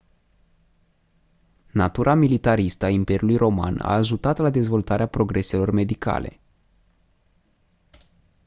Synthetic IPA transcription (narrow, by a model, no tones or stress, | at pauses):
nat̪uɾʔamilit̪aɾist̪əaimpe̞ɾiulujrʔo̞ma̰na̰ːʒut̪at̪lad̪e̞zvo̞lt̪aɾeapɾo̞ɡɾe̞se̞lo̞rme̞d̪ika̰le̞̰